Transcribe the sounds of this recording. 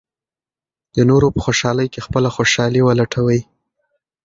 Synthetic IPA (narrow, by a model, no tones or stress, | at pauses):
d̪̥ənoɾopə̥xoʃɑləjkexpəlaxoʃɑliwəlaʈʰawəj